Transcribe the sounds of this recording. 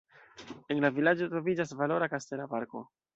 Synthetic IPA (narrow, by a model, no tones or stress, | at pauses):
e̞nlavilad͡ʒo̞tɾo̞vid͡ʒasvalo̞ɾakaste̞lapaɾko̞̰